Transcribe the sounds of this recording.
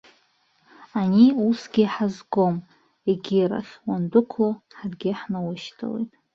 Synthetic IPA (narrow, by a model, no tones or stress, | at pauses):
aniusɡʲiħazɡom | eɡʲira̰χʲwandʷʊkʷʰloħarɡʲɪħnawaʃtʰa̰lḛjtʼ